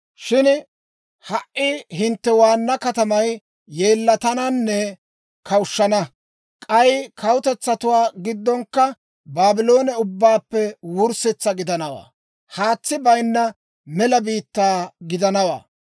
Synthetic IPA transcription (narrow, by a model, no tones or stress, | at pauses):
ʃɪn | hɐʔʔɪhɪnt̪ːɛwaːnːɐkɐt̪ɐmɐj | jeːlːɐt̪ɐnɐnːɛ | kʰɐwʊʃːɐnɐ | kʼɐjkʰɐwʊt̪ɛt͡sːɐt̪ʊwaːɡɪd̪ːɔŋkːɐ | baːbɪlo̞ːnɛʊbːaːpːɛwʊɾsɛt͡sːɐɡɪd̪ɐnɐwa̰ː | haːt͡sːɪbɐjnːɐ | mɛlɐbiːt̪ːaːɡɪd̪ɐnɐwa̰ː